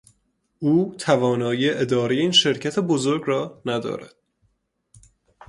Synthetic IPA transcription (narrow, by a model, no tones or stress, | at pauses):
uːt̪ʰævɒːnɒːjiːeʔed̪ɒːɾejeiːnʃe̞ɾcʰæt̪ʰebozoɾɡɾɒːnæd̪ɒ̰ːɾæ̰d̪̥